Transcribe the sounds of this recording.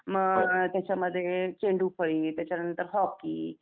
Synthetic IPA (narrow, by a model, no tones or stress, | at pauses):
məɡt̪jat͡ɕaməd̪ʱːjet͡ɕeɳɖupʰəɭĩŋt̪jat͡ɕanənt̪əɾɦɔkkːḭː